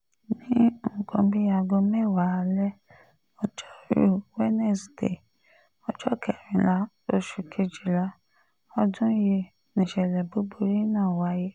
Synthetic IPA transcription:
nĩ˦m̩˨kɔ̃˧bi˦a˧ɡɔ˧mɛ˦˨wa˨˦˧lɛ˦ | ɔ˧d͡ʒɔ˦ɾṵ˦˨wɛ˦nɛ˦˨sdḛ˨ | ɔ˧d͡ʒɔ˦kʰɛ˨ɾ̃ĩ˨la˧˦ | o˦ʃu˨kʰe˧d͡ʒi˨la˨˦ | ɔ˧dũ˦je˧ | nĩ˨ʃɛ˨lɛ˨bo˦bo˧˦ɾi˦nãː˦˨wa˨˦je˦

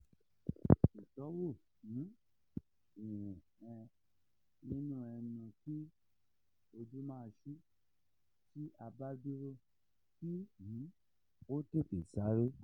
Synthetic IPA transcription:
i˨tɔ˨˦wo˦˨ | nĩ˨˦ | i˨wũ˨ɛ̃˧ | nĩ˦nũ˦ɛ˧nũ˧ti˦ | o˧d͡ʒu˦mãː˦˧ʃu˦ | ti˦ʔa˧ba˦di˦ɾo˦˨ | ti˦nĩ˨˦ | o˦te˦˨te˨sa˨˦ɾe˦

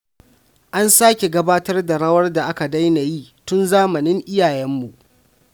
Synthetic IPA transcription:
ʔa˦nsaː˦kʲe˨ɡɐ˦baː˦tɐ˦rda˨ɽɐ˦wɐ˦rda˨ʔa˦ka˨da˦jna˨jiː˦tʊ˦nzaː˦mɐ˨nɪ˦ŋʔɪ˦jaː˨jɛ˦mːu˨ʔ

